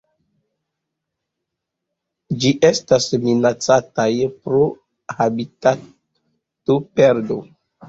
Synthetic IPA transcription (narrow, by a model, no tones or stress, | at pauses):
d͡ʒiʔestasminat͡satajpɾo | habita | topeɾdo